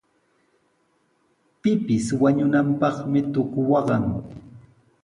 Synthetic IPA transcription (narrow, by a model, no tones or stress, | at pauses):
pɪpɪswaɲʊnampɑχmɪt̪ʊkʊwɑɢɑŋ